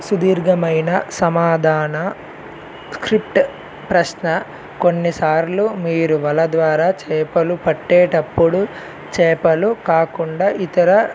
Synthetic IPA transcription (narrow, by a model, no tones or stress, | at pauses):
sud̪iːɾɡɐmɐjnɐsɐmaːd̪ʱaːnɐ | skɾip̚ʈ | pɾɐʃnɐ | ko̞nːisaːɾlumiːɾuʋɐlɐd̪ʋaːɾaːt͡ʃɛːpɐlupɐʈːɛːʈɐpːuɽu | t͡ʃɛːpɐlukaːkuɳɖaːʔit̪ɐɾɐ